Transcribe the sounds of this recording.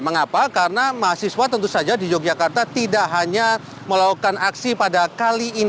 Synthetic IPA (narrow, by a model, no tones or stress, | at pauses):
məŋapakaɾənamaɦasiswat̪ənt̪usad͡ʒadid͡ʒoɡ̚d͡ʒakart̪at̪idaʔɦaɲa | məlaukanaksipadakaliːn